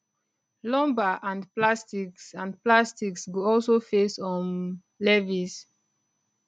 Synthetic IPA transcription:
lɔ̃mbaʔãnplastiksãnplastiksɡoɔlsofesɔ̃n | lɛvis

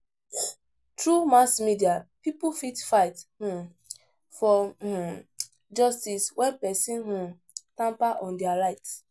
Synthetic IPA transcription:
tɹumaskmidiapipufitfaɪthũ | fɔ̃ | d͡ʒɔstiswɛ̃npɛsĩnɦũ | tãmpaʔɔ̃ndɛaɾaɪts

